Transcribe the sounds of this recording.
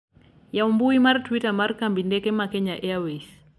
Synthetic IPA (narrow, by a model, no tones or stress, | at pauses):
jaumbuimaɾtwitamaɾkambindɛkɛmakɛɲaʔɛawɛs